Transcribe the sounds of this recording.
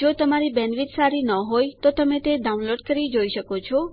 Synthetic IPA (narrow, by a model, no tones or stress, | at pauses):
d͡ʒot̪əmaɾibɛnʋit̪saɾinəɦojt̪ot̪əmet̪eɖaũnloɖkəɾid͡ʒoiʃəkot͡ʃʰɔ